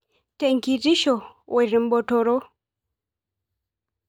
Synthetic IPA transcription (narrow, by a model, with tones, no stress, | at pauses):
teŋkiti˦ʃɔ˨wʔɛ˨ɾi˨mbɔ˨tɔɾɔ˦